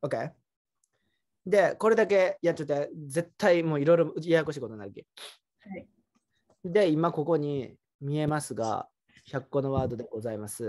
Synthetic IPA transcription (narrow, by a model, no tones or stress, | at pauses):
oke̞ | d̪e̞ko̞ɾe̞d̪ake̞ijat͡ɕot̪ːeze̞t̪ʰːaimo̞ːiɾo̞iɾo̞ɯiajako̞ɕ̬iːko̞t̪onaɾɯ̟kʲi | hai | d̪e̞imako̞ko̞ɲ̟i | mʲie̞masɨɡa̰ | çakːo̞no̞βaːd̪o̞d̪eɡo̞zaimasɨ